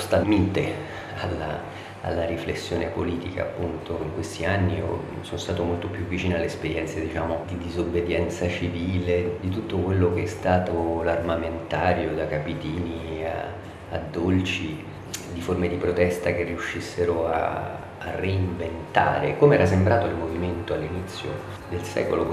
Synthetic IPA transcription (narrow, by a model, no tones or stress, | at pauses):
st̪amiːt̪e | alːa̰ | a̰lːaɾiflesːjoːnepoliːt̪ika̰ːpːunt̪oiŋkwest̪ianːḭ | sonost̪aːt̪omolt̪opjuvːit͡ʃiːnoalːespeɾjɛnt̪sed̪it͡ʃaːmod̪id̪izobːed̪jɛnt̪sat͡ʃiviːled̪it̪ut̪ːokwelːok̟eɛst̪aːt̪olarmament̪aːɾjod̪akapit̪iːnia̰ | a̰d̪ːolt͡ʃi | d̪iformed̪ipɾot̪ɛst̪akerːiuʃːisːeɾoa̰ː | rːeiɱvent̪a̰ːɾekomeɛːɾasembɾaːt̪oilmoviment̪oalːinit̪sːjo̰ | d̪elsɛ̰kolo